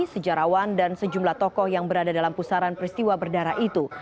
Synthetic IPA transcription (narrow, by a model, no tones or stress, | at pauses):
səd͡ʒaɾawandansəd͡ʒumlaht̪ɔkɔhjaŋbəɾadadalampusaɾanpɾist̪iwabərdaɾait̪u